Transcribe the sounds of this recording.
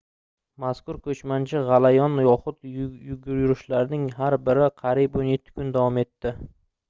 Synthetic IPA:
maskʊɾkʰɵt͡ʃmant͡ʃʰɪʁɑlajɒnjɒχʊt̪jʊɡʲʊɾjʊɾɪʃlaɾnɪŋɦaɾbɪɾɪqʰɑɾiponje̞t̪ʰːɪ̥kʰʊnd̪avɒme̞t̪ːɪ

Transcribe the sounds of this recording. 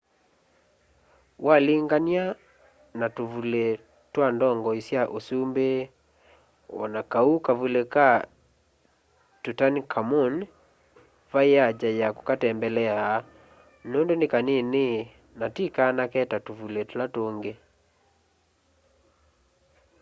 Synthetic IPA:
wʔaliŋɡania | natuvule | twandɔŋɡɔisjaʔosumbe | ɔ̰nakaukavuleka | tutankʰamon | vaead͡ʒajako̥katɛmbɛlɛa | noːndonekanene | natikanakɛtatuvuletolatoːŋɡe

